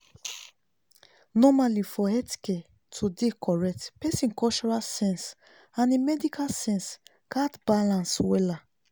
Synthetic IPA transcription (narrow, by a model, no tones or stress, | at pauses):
nɔmalifɔɛti̥ke | tʰudekɔɹɛk̚tpɛsĩnkɔt͡ʃɔɹalsɛ̃ns | ãnemɛdikalsɛ̃ns | katbalãnswɛla